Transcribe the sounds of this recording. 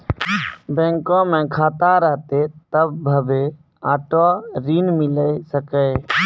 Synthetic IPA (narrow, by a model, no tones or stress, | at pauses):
bɛ̃ːŋkõmẽːkʰaːt̪aɾəɦt̪et̪əbːʱəbeː | aːʈoɾiːnmɪləesəkəː